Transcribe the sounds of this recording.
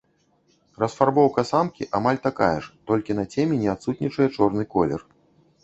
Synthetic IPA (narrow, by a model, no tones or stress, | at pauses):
rɐsfarbɔwkɐsamkʲiʔamalʲt̪aka̰jɛ̰ʂt̪ɔlʲkʲin̪ɐt͡sʲɛmʲɛnʲɛat̪sut̪ʲnʲit͡ʂɐjɛt͡ʂɔrn̪ɨkɔlʲɛ̰r